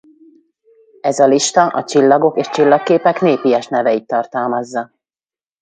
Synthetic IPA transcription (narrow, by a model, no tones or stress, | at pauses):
ɛzɒliʃt̪ɒʔɒt͡ʃilːɒɡo̞keːʃt͡ʃilːɒkːeːpɛkneːpijɛʃnɛvɛit̪ːɒrt̪ɒlmɒzːɒ